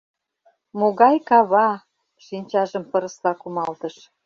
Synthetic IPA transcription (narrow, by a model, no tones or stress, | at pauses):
moɣɑjkɑβɑ | ʃinʲt͡ɕɑʒəmpɤ̆ɾə̆slɑkumɑlt̪əʃ